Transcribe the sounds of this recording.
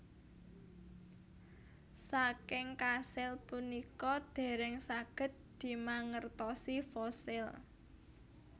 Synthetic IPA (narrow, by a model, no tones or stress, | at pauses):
sakɪŋkasɪlpunikɔd̪̥e̤ɾɛŋsaɡ̥ə̤t̪̚d̪̥i̤maŋərt̪ɔsifɔsɪl